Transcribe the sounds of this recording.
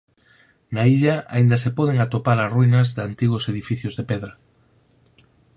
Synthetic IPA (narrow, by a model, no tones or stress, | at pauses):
naiʎɐa̰ind̪ɐsepɔðeŋat̪opaɾasruinɐzðant̪iɣʊseðifiθjʊzðepɛðɾɐ